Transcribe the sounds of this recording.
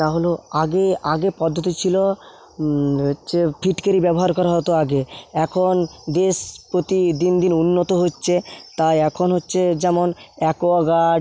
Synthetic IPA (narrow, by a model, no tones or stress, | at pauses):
t̪aɦoloaɡeaɡepɔd̪ʱːot̪it͡ɕʰilo | ɦoːt͡ɕʰepʰiʈkeɾibɛboɦaɾkɔɾaɦɔt̪oaɡeɛkʰond̪eʃpɾot̪id̪ind̪inunːot̪oɦotːɕʰet̪ajɛkʰonɦotːɕʰed͡ʑɛmonɛkoaɡa